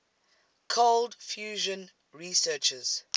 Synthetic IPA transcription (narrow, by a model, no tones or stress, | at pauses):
kʰoldfjuːʒə̃n | ɹisɜːt͡ʃəz̥